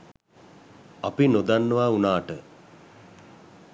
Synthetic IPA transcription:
apinod̪anːəʋaunaːʈə

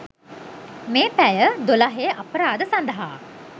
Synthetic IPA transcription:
meːpæjəd̪olaɦeːʔapəɾaːd̪əsand̪əɦa̰ː

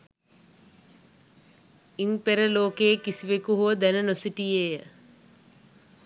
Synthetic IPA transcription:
inpeɾəloːkeːkisiʋekuɦuʋəd̪ænənosiʈijejə

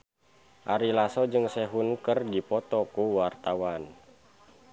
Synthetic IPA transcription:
ʔaɾilasɔd͡ʒɨŋsɛɦunkərdipɔt̪ɔkuwart̪awan

